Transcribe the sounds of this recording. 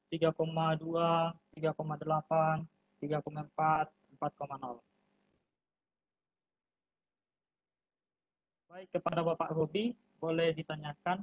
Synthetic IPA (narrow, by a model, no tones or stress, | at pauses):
t̪iɡakomaduat̪iɡakomadəlapan | t̪iɡakomaəmpat̪̚əmpat̪̚komanɔl | baikːəpadabapaʔɡobi | bolɛhdit̪aɲakan